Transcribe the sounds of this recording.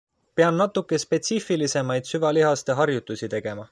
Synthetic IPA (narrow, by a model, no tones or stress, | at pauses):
peɑnnɑt̪ːˑukːˑe̞spe̞t̪sifilise̞mɑjd̪̥syvɑliɦɑst̪e̞ɦɑrjut̪ːˑusit̪e̞ɡ̥e̞mɑ